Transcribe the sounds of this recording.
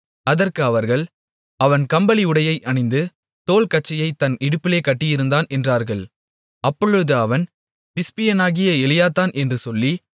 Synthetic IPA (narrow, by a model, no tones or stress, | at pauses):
ɐðɐrkɯɐʋɐɾɣɐɭ | ɐʋɐnkɐmbɐlɪɯɽɐjɐɪʔɐɳɐɪnd̪ɯ | t̪oːlkɐt͡ʃːɐjɐɪt̪ːɐnɪɽɯpːɪleːkɐʈːɪjɪɾɯnd̪aːnʔɛndraːɾɣɐɭ | ʔɐpːɔɻɯðɯɐʋɐn | t̪ɪspɪjɐnaːɣɪjɐɛlɪjaːt̪ːaːnʔɛndrɯsɔlːi